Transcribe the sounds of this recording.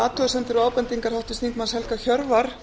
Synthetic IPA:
aːt̪ʰɔasɛnt̪ɪɾɔaːwpɛnt̪iŋkaɾ̥hawht̪ʏ̥st̪iŋk̪manshɛlkaçœɾvaɾ̥

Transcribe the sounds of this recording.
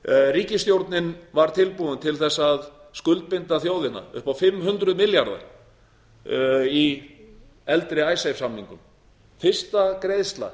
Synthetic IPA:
riːcɪst̪jowɾt̪nɪnvaɾ̥t̪ʰɪlpuðʏnt̪ʰɪlθɛsːað | skʏlt̪̚pɪnt̪aθjoːwðɪnːa̰ʏ̰hpawfɪmːɦʏnt̪ɾʏðmɪljaɾða̰ɾ | i | ɛlt̪ɾɪaːjsajfsamːiŋkʏm | fɪr̥st̪akɾejðst̪la̰

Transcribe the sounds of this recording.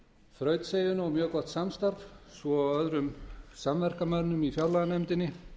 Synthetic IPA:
fɾœːɥt̪sejʏnawmjœːkɔht̪samst̪aɾvsvɔaœðɾʏmsamvɛr̥kamœɾnʏmifjawlaɣanɛmt̪ɪnːɪ

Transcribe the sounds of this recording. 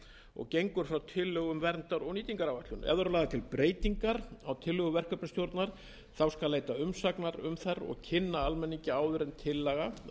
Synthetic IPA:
ɔ̰ɣcejŋkʏɾ̥fɾawt̪ʰɪlːœɣʏmvɛɾnt̪aɾɔɣniːt̪iŋkaɾawvat̪ʏnɛ̰ðaɾʏnaːðat̪ʰɪlpɾʔeːjt̪iŋkaɾawt̪ʰɪlːʏɣʏvɛr̥kœpnst̪jowɾt̪naɾ̥ | θawskalleːjt̪aʏmsaknaɾʏmθaɾɔ̰ɣcʰɪnːaalmɛnːiɲcɪaːwðʏɾɛnt̪ʰɪlːɛɣa

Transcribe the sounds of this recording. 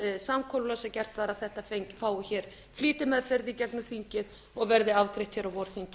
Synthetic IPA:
samkʰɔllasɛcɛr̥t̪vaːɾaðθɛht̪afejɲcfaːwʏçɛːɾ̥ | fliːt̪ɪmɛðfɪɾðɪicɛknʏθiɲcɪð | ɔɣvɛɾðɪavkɾeht̪çɛːɾawvɔɾθiɲc

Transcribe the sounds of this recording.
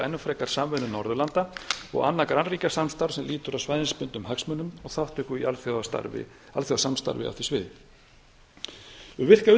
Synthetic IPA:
ɛnːʏfɾɛkaɾ̥saːmvɛnʏnɔɾðʏlant̪aɔ̰ɣa̰nːakɾanriːcasamst̪awɾ̥sɛmliːt̪ʏɾawsvajðɪnspʏnt̪ʏmɦaksmœnʏmɔɣθawht̪ʏkʏist̪a̰ɾvɪ̰ | alθjɔðasamst̪a̰ɾvɪ̰a̰wθisvɪð | ʏvɪr̥kaʏ

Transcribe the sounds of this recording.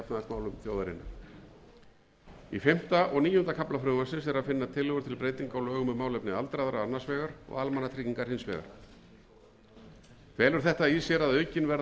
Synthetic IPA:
apnaðak̪maːwlʏmθjowðaɾɪ̰nːa̰ | ifɪm̥t̪aʔɔɣniːjʏhʏnt̪akʰaplafɾœːmasɪns̬ɛɾaðfɪnːat̪ʰɪlːʏɣʏɾ̥t̪ʰɪlpɾeːjt̪iŋkawlœːɣʏmʏmaːwlɛpnɪalt̪ɾajðɾaanasvɛːɣaɾ̥ɔ̰ɣalmanːat̪ʰɾiːciŋkaɾ̥hɪnsvɛ̰ːɣa̰ɾ̥ | kʰvɛːlʏɾ̥θɛht̪aisjɛɾaðœɥcɪnvɛɾ

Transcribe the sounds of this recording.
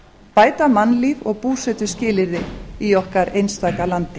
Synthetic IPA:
paːjt̪amanːliːvɔɣpuːsɛt̪ʏscɪːlɪɾðɪiɔhkaɾejnst̪aːjkalant̪ɪ

